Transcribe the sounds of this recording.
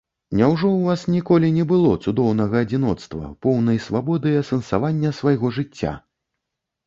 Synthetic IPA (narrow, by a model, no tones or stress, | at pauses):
nʲawʐɔwvasnʲikɔlʲinʲɛbɨlˠɔt̪sud̪ɔwnɐɣɐːd͡zʲinɔt̪st̪vɐ̰pɔwnɐjsvabɔd̪ɨjɐsɛnsavanʲːɐsvajɣɔʐɨt͡sʲːa̰